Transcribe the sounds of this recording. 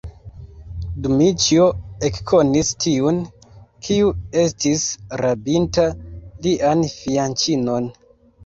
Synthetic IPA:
dumit͡ʃioekkʰo̞nistʰiun | kʰiue̞s̬tisɾabintaliʔanfiant͡ʃino̞n

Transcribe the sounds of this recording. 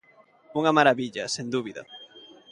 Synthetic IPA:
uŋɐmaɾaβiʎɐsend̪uβiðɐ̰

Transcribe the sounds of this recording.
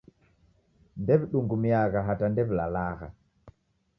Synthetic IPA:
ndɛβiɗuŋɡumiaɣaɦatandɛβila̰laɣa̰

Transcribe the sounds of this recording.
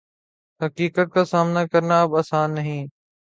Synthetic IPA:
ɦɐkiːkət̪̚kʰaːsaːmnakɐɾnaɐbɐsãnɐɦĩː

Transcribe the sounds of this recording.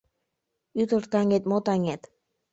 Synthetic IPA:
yt̪ərt̪ɑŋet̪̚mot̪ɑŋet̪

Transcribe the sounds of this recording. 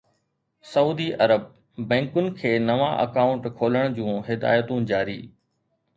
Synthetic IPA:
sɐuːd̪iʔɐɾəb̚ | bɛ̃ːŋkʊnɪ̆kʰeːnɐʋãʔɐ̰kaːʊ̃ɳʈkʰoːləɽ̃d͡ʑũːɦɪd̪a̰ːjət̪ũd͡ʑaːɾḭː

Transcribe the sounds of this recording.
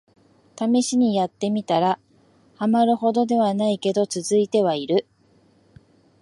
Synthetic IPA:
t̪amʲiɕiɲ̟ijat̪ːe̞mʲit̪aɾa | hamaɾɯ̟ho̞d̪o̞d̪e̞β̞anaike̞d̪o̞t͡sɨzɨit̪e̞βaiɾɯ̟

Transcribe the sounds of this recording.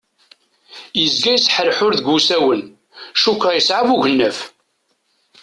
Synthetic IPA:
jəzɡæjəsħəɾħʊɾðəɡusæwən | ʃukɾʁajəsʕavuʝənːəf

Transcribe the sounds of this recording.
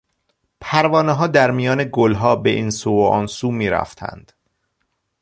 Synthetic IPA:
pʰæɾvɒːneɦɒːd̪æɾmijɒːne̞ɡolɦɒːbe̞ʔiːnsuːoʔɒ̰ːnsuːmiːɾæ̰ft̪ʰæ̰nd̪̥

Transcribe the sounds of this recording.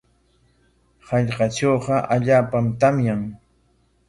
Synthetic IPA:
hɑʎqɑt͡ʃoːqɑʔaʎaːpamt̪amjaŋ

